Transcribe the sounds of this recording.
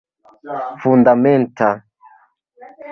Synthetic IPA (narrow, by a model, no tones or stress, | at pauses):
fundamɛntʰa